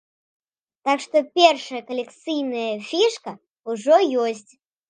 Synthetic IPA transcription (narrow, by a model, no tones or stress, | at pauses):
t̪akʂt̪opʲerʂɨjəkɐlʲɪkt̪sɨjnəjəfʲiʂkə | ʊʐɔjosʲtʲ